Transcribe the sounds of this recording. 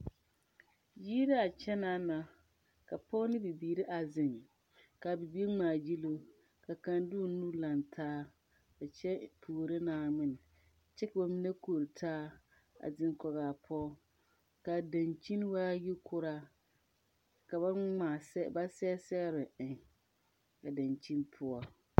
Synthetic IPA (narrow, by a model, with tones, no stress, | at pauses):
jiː˦ɾa˦a˨t͡ʃɛ˦na˦na˨ | ka˨pɔ˦nɪ˦bi˨biː˨ɾɪ˦ʔa˨zɪ˨ŋ | ka˨bi˨bi˦ŋ͡maː˨d͡ʒi˦lo˦ | ka˨ka˨ndu˦nu˦la˨ntʰaː˦ | ba˨t͡ʃɛ˦pʰuː˨ɾɪ˦naː˨mɪ˦n˨ | t͡ʃɛ˦ka˨ba˨mi˦ne˦ko˨ɾi˨tʰaː˦ | a̰˨zɪ˦ŋkɔ˨ɣaː˨pʰɔ˦ | ka˨dã˨nt͡ʃi˦n˦waː˦ji˦kʰʊ˦ɾa˦ | ka˨ba˦ŋ͡maː˨sɛ˦ba˦sɛ˦sɛ˦ɣɾɪ˨ɪ˨ŋ | ka˨da˨nt͡ʃi˦npʰʊ˦ɔ˦